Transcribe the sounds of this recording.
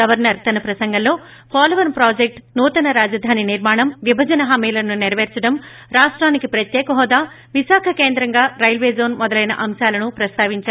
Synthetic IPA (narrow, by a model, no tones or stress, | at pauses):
ɐʋɐɾnɐɾt̪ɐnɐpɾɐsɐŋɡɐllo̞ː | paːlɐʋɐɾmpɾaːd͡ʒek̚ʈnuːt̪ɐnɐɾaːd͡ʒɐd̪ʱaːniniɾmaːɳɐmʋibʱɐd͡ʒɐnɐɦɐmiːlɐnuniɾɐʋeːɾt͡ʃɐɽɐm | ɾaːʂʈɾaːnikipɾɐt̪jɛːkɐɦɔːd̪aː | ʋisaːkʰɐke̞ːnd̪ɾɐŋɡaːɾɐjlʋeːzo̞ːnmɔd̪ɐlɐjnɐ̰ʔɐmʃaːlɐnupɾɐst̪ʰaːʋiɲt͡ʃaː